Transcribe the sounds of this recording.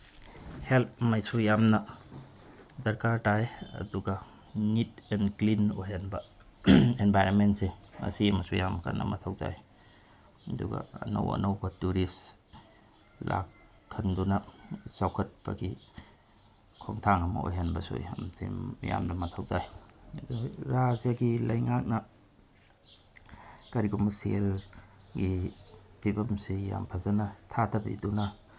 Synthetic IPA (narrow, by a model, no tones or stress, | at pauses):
help̚majsujamnɐ | dɐɾkaɾtajɐ̰duɡɐ | nitɛnklinojɦanbɐ | enbajɾonmentseɐ̰simɐsujamkʰa̰nʔɐ̰mɐtʰawd͡ʒa̰j | ɐduɡɐ̰ɐ̰nɐ̰wɐ̰nɐwbɐtuɾis | la̰kʰː | ɐndunɐsawkʰɐt̚b̥ɐɡi | kʰoŋtʰaŋɐmɐ̰ojɦanbɐso̰jɐ̰mtḭmːija̰mdɐmɐtʰɐwd͡ʒajduɾazjaɡilɐjŋak̚nɐ | kɐɾiɡumɐselɡipʰibɐmsija̰mpʰɐzɐnɐtʰatʰɐbḭdunɐ